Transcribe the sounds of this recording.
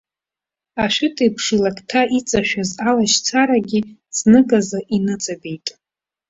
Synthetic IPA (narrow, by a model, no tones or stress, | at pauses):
aʃʷᶣʊtʰʼijpʰʂilakʰʼtʰaʔit͡sʼaʃᶣazalaʃt͡sʰaɾaɡʲiznɨkʼazaʔinɨt͡sʼabe̞jtʼ